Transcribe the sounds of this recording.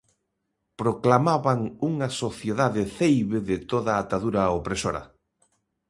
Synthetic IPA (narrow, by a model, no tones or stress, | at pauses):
pɾoklamaβaŋuŋɐsoθjeðaðɪθejβɪðɪt̪oðaːt̪aðuɾaopɾesoɾɐ̰